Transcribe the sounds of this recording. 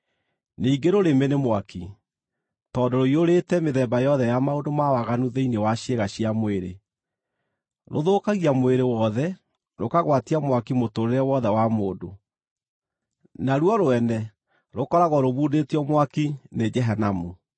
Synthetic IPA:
neiɡeɾoɾemenemwaki | tɔːdoɾoioɾetɛmeðɛːmbajɔðɛjamaondomawaɣanuðeinewaɕeɣaɕiamoweɾḛ | ɾoðoːkaɣiamoweɾewɔðɛ | ɾokaɣwatiamwakimotoɾeɾɛwɔðɛwamoːdo | naɾwɔɾoɛnɛ | ɾokɔɾaɣɔɾoβuːdetiɔmwakined͡ʒɛɦanamu

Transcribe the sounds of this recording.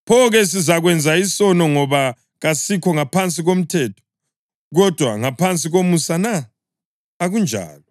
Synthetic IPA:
pʰɔɣɛs̬izaɣwɛnd͡zʱaisɔnɔŋɔβa | ɣasikʰɔŋapʰant͡sʼiɣom̩tʰɛːtʰɔ̥ | ɣɔd̥ʱwa̰ŋapʰant͡sʼiɣomusana | aɣund͡ʒʱa̰ːlɔ

